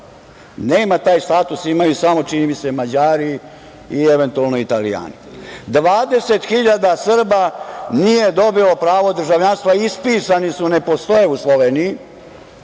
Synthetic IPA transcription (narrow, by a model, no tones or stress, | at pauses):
neːmat̪aːjst̪aːt̪usimajusamo̞t͡ʃinimise̞mad͡ʑaːɾi | ieʋe̞nt̪ualˠnoit̪alḭja̰ːni | d̪ʋaːd̪e̞se̞t̪xiʎad̪asr̩banije̞d̪o̞bilo̞pɾaːʋo̞d̪r̩ʒaʋʎanst̪ʋaispiːsanisune̞po̞st̪ojeuslˠo̞ʋeːniji